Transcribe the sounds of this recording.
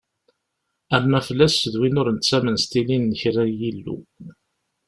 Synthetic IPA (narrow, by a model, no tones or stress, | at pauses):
æmːæfəlːæsːəðwinʊɾnt̪t͡sːæmənst̪ininːəçɾænjilːṵ